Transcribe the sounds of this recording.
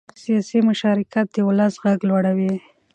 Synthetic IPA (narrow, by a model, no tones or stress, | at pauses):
sijɑsimʊʃɑɾɪkat̪̚d̪əwʊlasɣaɡlwaɽawi